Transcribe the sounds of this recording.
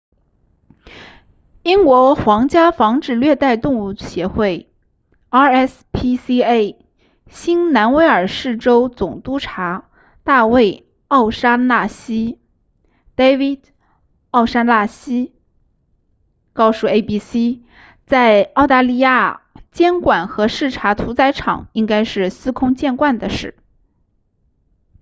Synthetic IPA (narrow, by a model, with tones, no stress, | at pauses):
i˥ŋkwɔ˧˥xwɑ˧˥ŋt͡ɕja˥fɑ˧˥ŋʈ͡ʂɻ̩˥˩lɥɛ˥˧t̪a˥˧ɪt̪ʊ˥˧ŋu˥˩ɕjɛ˧˥xwe˥˩ɪ | ɑ˥ɛ˥s | pʰi˥si˥e˥˩ɪ | ɕi˥nna˧˥nwe˧˥ɪə˞˨˩ʂɻ̩˥˩ʈ͡ʂo˥ʊt͡sʊ˨˩ŋt̪u˥ʈ͡ʂʰa˧˥ | t̪a˥˧we˥˧ɪ | ɑ˥˩ʊʂa˥na˥˩ɕi˥ | t̪e˥wi˥˩d̪ | ɑ˥˩ʊʂa˥nla˥˩ɕi˥ | kɑ˥˧ʊʂu˥˩e˥ɪpi˥si˥ | t͡sa˥˧ɪɑ˥˧ʊt̪a˥˧li˥˧ja˥˩t͡ɕjɛ˥nkwa˨˩nxɤ˧˥ʂɻ̩˥˩ʈ͡ʂʰa˧˥t̪ʰu˧˥t͡sa˧˥ɪʈ͡ʂʰɑ̰˨˩˦ŋi˥ŋka˥ɪʂɻ̩˥˩sɹ̩˥kʰʊ˥ŋt͡ɕjɛ˥˧nkwa˥˩nd̪ə˩ʂɻ̩˥˩